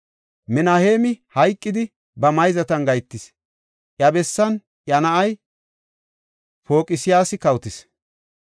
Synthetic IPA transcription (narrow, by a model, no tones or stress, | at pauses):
mɪnaːheːmɪhɐjkʼːɪd̪ɪ | bɐmɐjzɐt̪ɐnɡɐjt̪ːɪs | ʔjɐbɛsːɐn | ʔjɐnɐʔɐj | po̞ːkʼɪsɪjaːsɪkɐwt̪ɪs